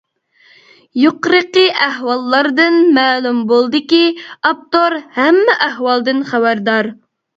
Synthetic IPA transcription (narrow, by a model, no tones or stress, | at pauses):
joqɾəqəʔæɦwɑlˠːɑɾd̪ɨnmæːlumbolˠd̪ɨkʲiɑp̚t̪oɾhɛmːɪʔæhwɑlˠd̪ɨnχæwæɾd̪ɑɾ